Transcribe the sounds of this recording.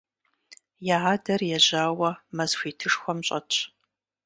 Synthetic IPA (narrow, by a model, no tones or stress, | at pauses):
jaaːdɐrjɛʑaːwɐmɐzxʷiːtʰɨʂxʷɔmɕʼɐ̰t͡ʃʰʼ